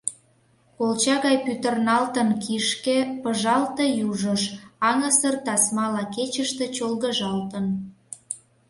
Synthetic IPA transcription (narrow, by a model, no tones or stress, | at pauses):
kolt͡ɕɑɣɑjpyt̪ərnɑlt̪ənkiʃkepəʒɑlt̪ejuʒəʃɑŋə̆sərt̪ɑsmɑlɑket͡ɕəʃt̪e̽t͡ɕolɣəʒɑlt̪ən